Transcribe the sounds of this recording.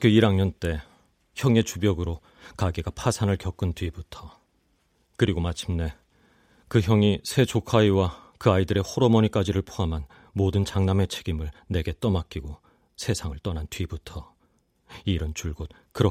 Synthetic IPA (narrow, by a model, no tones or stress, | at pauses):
kʰoiɾaŋɲʌnt͈e̞ | çjʌŋe̞t͡ɕubjʌɡɯɾo | kaɡeɡapʰasʰanɯɭkjʌk͈ɯntɥibutʰʌ | kɯɾiɡomat͡ɕʰimne̞ | kɯçjʌŋisʰe̞t͡ɕokʰaiwakɯaidɯɾe̞hoɾomʌɲik͈ad͡ʑiɾɯɭpʰoɦamɦan | modɯnt͡ɕaŋname̞t͡ɕʰeɡimɯɭne̞ɡe̞t͈ʌmak͈iɡo | sʰe̞sʰaŋɯɭt͈ʌnantɥibutʰʌ | iɾɯnt͡ɕuɭɡot̚ | kɯɾʌ